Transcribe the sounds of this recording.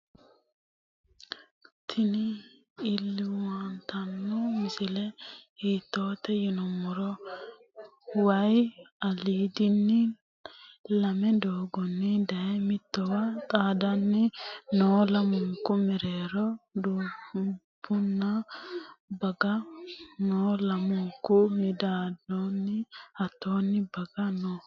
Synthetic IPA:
t̪ʰɪnɪ | ɪlːɪwɐnt̪ɐnːɔmɪsɪlɛhiːt̪ːo̞ːt̪ːɛjɪnɔmʊɾɔ | wɐjɐliːd̪ɪnːɛ | lɐmɛd̪oːɡɔnːɛd̪ɐjɛmɪt̪ːɔwɐt̪ʼaːd̪ɐnːɪnoːlɐmʊŋkːʊmɛɾeːɾɔd̪uː | b̥ʊnːɐ | bɐɡɐnoːlɐmʊŋkːʊmɪd̪aːdonːɪɐt̪ːoːnːɪbɐɡɐno

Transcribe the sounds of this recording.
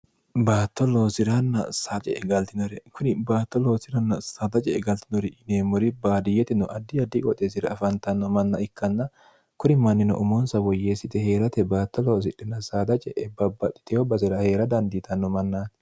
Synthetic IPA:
baːt̪ːɔlo̞ːsɪɾɐnːɐsaːt͡ʃʼɛʔɛɡɐlt̪ɪnɔɾɛkʊnɪbaːt̪ːɔloːsɪɾɐnːɐsaːd̪ɐt͡ʃʼɛɛɡɐlt̪ɪnɔɾɪʔɪneːmːɔɾɪbaːd̪ɪjɛt̪ɪnɔʔɐd̪ːɪɐd̪ːɪkʼɔt̪ʼes̬ɪɾɐɐfɐnt̪ɐnːɔmɐnːɐɪkːɐnːɐ | kʊnɪmɐnːɪnɔ̰ʔʊmɔnsɐwɔjːeːsɪt̪ɛhe̞ːɾɐt̪ɛbaːt̪ːɔloːs̬ɪᶑːɛnɐsaːd̪ɐt͡ʃʼɛ̰ʔɛbɐbːɐt̪ʼːɪ̥t̪ɪhobɐsɪɾɐhe̞ːɾɐd̪ɐnd̪it̪ɐnːɔmɐnːaːt̪

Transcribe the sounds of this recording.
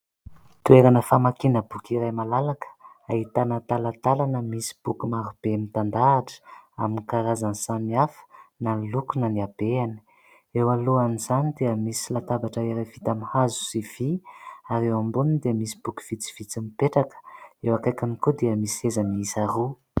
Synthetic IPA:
t̪ueɾanəfamakinəbukiɾajmalalakə̥ | ait̪anət̪alət̪alanəmisi̥b̥ukumaɾub̥emit̪and̪aːʈ͡ʂə̥aminikaɾazansamiafə̥nalukunəniab̥eani̥ | ewaluanizanid̪eəmisilat̪abaʈ͡ʂəeɾavit̪amihazu̥siv̥iaɾewambunind̪eəmisi̥b̥uku̥v̥it͡si̥v̥it͡simipeʈ͡ʂakə̥ewakajkanikod̪iəmisiezəniisaɾu

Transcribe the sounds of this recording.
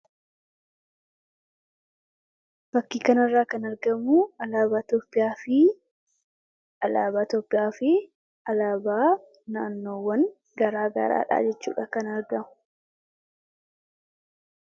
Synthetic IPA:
b̥ɐkːiːkɐnɐrːaːkɐnɐɾɡɐmʊɐlaːbaːt̪oːpʼːɪjaːfɪ | ɐlaːbaːt̪oːpʼːɪjaːfɪ | ɐlaːbaː | naːnːo̞ːwɐn | ɡɐɾaːɡɐ̰ɾa̰ːᶑa̰ːd͡ʒɛt͡ʃːṵːᶑɐkɐnɐɾɡɐmʊ̥

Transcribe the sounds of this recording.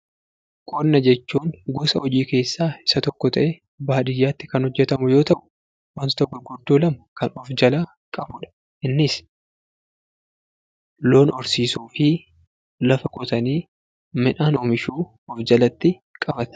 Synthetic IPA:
kʼɔnnɐd͡ʒɛt͡ʃːuːŋɡusɐhɔd͡ʒiːke̞ːsːaːɪ̥sɐt̪ɔkːɔt̪ɐʔɛ | baːᶑɪjːaːt̪ːɪkɐnhɔd͡ʒːɛt̪ɐmʊjoːt̪ɐʔʊ̥ | wɐnt̪ɔt̪ɐɡʊɾɡʊd̪ːuːlɐmɐkɐnɔfd͡ʒɐlaː | kʼɐbʊᶑɐ̥ | ʔɪnːɪs | lo̞ːnɔɾsiːsuːfɪ | lɐfɐkɔt̪ɐniː | mɪᶑaːnoːmɪʃuː | ɔfd͡ʒɐlɐt̪ːɪ | kʼɐfɐt̪

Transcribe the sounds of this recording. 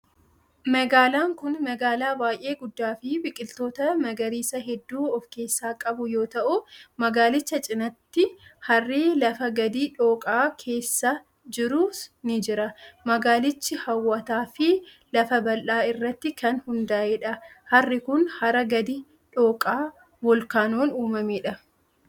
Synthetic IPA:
mɐɡaːlaːŋkʊnmɐɡaːlaːbaːjʔe̞ːɡʊd̪ːaːfɪbɪkʼɪlt̪o̞ːt̪ɐnɐɡɐɾiːsɐɦɛd̪ːuːɔfke̞ːsːaːkʼɐbʊjo̞ːt̪ɐʔʊmɐɡaːlɪt͡ʃːɐt͡ʃʼɪnɐt̪ːɪhɐrːiːlɐfɐɡɐd̪iːᶑo̞ːkʼaːkʰe̞ːsːa | d͡ʒɪɾuːsnɪd͡ʒɪɾɐmɐɡaːlɪt͡ʃːɪhɐwːɐt̪aːfɪ | lɐfɐbɐlʔaːɪrːɐt̪ːɪkɐnhʊnd̪aːʔeːᶑɐhɐrːɪkʊnhɐɾɐɡɐd̪i | ᶑo̞ːkʼaː | wɔlkaːnoːnuːmɐmeːᶑɐ

